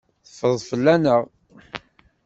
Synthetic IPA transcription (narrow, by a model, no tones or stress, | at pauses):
θəfəðˤfəlːænəʁ